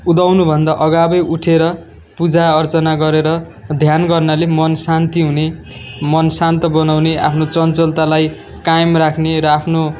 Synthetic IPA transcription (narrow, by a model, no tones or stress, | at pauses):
ud̪awnubʱʌnd̪aʔʌɡabʌjʔuʈʰeɾʌ | pud͡zaʌrt͡sʌnaɡʌɾeɾʌ | d̪ʱjanɡʌrnalemʌnsant̪iɦune | mʌnsant̪ʌbʌnawnea̰pʰnot͡sʌnt͡sʌlt̪alaj | kajmrakʰneɾʌapʰno